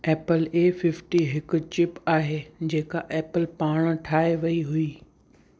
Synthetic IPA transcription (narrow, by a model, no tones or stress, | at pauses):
ɛːpəleːfɪfʈiɦɪkʊ̆t͡ɕɪpaːɦeːd͡ʑeːkaʔeːpəlpaːɽ̃ʈʰaːɦeʋɐiɦʊiː